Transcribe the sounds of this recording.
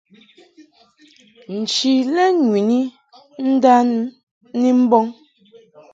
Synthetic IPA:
n̩˨t͡ʃi˨lɛ˦ŋwi˨ni˦ | n̩˦da˦n˦ | ni˦m̩˦bɔ˦ŋ

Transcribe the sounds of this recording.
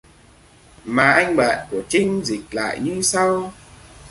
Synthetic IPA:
maː˨˩ʔa˧jŋ̟ɓa̰ː˧˨nku˧˩ət͡ɕï˧ŋ̟zï˨˩k̟̚la̰ː˧˨jɲɨ˧sa˧w

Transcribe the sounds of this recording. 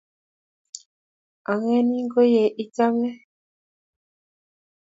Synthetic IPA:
a˨ŋɛ˦ni˦ŋɡo˦je˨ʔi˦ta˦mɛ˦

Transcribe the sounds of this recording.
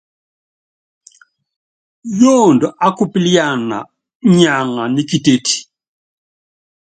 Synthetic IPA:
jɔ˦ndɔ˨ʔa˦ku˦pi˦li˦ja˦˨na̰˨ | ɲa˨ŋa˨ni˦ki˦˨tʼe˦tʰi̥˨

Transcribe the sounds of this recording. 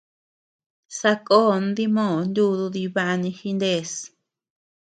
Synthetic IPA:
sa˧ko˦˨n˦d̪i˦mõː˦˨nd̪u˦˧ðu˧ði˧βa˧ʔa˧nĩ˧xi˧nd̪e˦˨s

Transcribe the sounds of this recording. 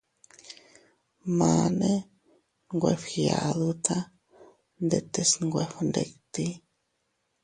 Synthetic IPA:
ma˨ne˦ | ŋɡwe˧˨fxja˨d̪u˦t͡sa˦ | nd̪e˨t̪e˨sŋɡʷe˧fnd̪ḛ˨kt̪i˦

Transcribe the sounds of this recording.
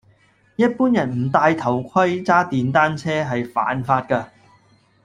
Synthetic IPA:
jɐ˥t̚puː˥njɐ˨˩nm̩˨˩t̪aː˧jt̪ʰɐ˨˩wkʷʰɐ˥jt͡saː˥t̪iː˨nt̪̬aː˥nt͡sʰɛː˥ɦɐ˨jfa̰ː˨˥nfaː˧t̚kaː˧

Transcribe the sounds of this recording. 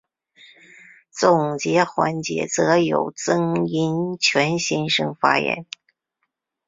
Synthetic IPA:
t͡sʊ˨˩ŋt͡ɕjɛ˧˥xwa˧˥nt͡ɕjɛ̰˧˥t͡sɤ˧˥jo˨˩ʊt͡sɤ˥ŋi˧˥nt͡ɕʰɥɛ˧˥nɕi˥˧nʂɤ˥ŋfa̰˥jɛ̰˧˥n

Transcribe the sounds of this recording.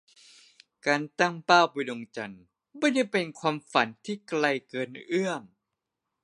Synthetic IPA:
kaː˧nt̪a˥˩ŋpaː˥˩wpa˧jdo˧ŋt͡ɕa˧n | bɔ˥˩ja˥˩pe˧nkʰwaː˧mfa˨˩˦nt̪ʰiː˥˩kla˧jkɤː˧nʔɯ˥˩əŋ

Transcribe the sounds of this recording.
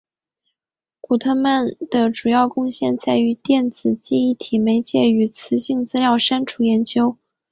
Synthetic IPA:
ku˨˩t̪ʰə˥nma˥˩nd̪̥ə˨˩ʈ͡ʂu˨˩jɑ˥˧ʊkʊ˥˧ŋɕjɛ˥˧nt͡sa˥˩ɪy˧˥t̪jɛ˥˩nt͡sɹ̩˨˩t͡ɕi˥˧i˥˩t̪ʰi˨˩me˧˥ɪt͡ɕjɛ˥˩y˨˩t͡sʰɹ̩˧˥ɕi˥˩ŋt͡sɹ̩˥ljɑ˥˩ʊʂa˥nʈ͡ʂʰu˥˩jɛ˧˥nt͡ɕjo˥ʊ

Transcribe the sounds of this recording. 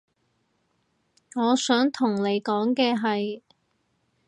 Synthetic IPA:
ŋɔː˨˧sœː˨˥ŋt̪ʰʊ˨˩ŋne˨˧jkɔː˨˥ŋkɛː˧ɦɐ˨j

